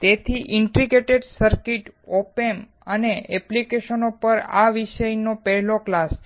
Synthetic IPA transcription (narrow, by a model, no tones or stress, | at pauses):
t̪et̪ʰiʔɪɳʈɾiɡeʈeɖsəɾkiʈopem | əneʔɛplikeʃənopəɾa̰ʋiʃəjnopɛɦɛloklas